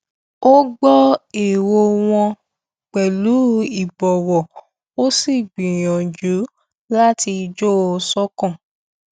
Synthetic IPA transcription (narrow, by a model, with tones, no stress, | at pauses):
o˦ɡ͡bɔ˦e˨wo˧w̃ɔ̃˧ | k͡pɛ˨lu˨˦i˦˨bɔ˨wɔ˨ | o˦si˦˨ɡ͡bĩ˨j̃ɔ̃˨d͡ʒu˨˦ | la˦ti˧d͡ʒo˦˧sɔ˦kɔ̃˦˨